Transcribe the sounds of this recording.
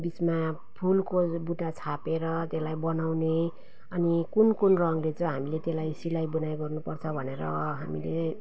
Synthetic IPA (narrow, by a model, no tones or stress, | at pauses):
bit͡sma | pʰulkobuʈat͡sʰapeɾʌt̪elajbʌnawne | ʌnikunkunrʌŋlet͡sʌ̃ɦamilet̪elajsilajbunajɡʌrnupʌrt͡sʰʌbʱʌneɾʌɦamile